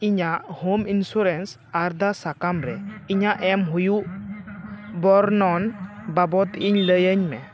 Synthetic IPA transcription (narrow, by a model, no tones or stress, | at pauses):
iɲaʔhominsuɾɛns | aɾd̪asakamɾɛiɲaʔɛmɦujuʔ | bɔɾnɔnbabɔt̪iɲləjəɲmɛ